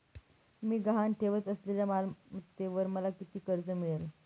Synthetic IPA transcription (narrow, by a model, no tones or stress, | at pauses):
miːɡaɦanʈʰeʋət͡səsleljamalmət̪ːeʋəɾməlakit̪iːkəɾt͡səmiɭəl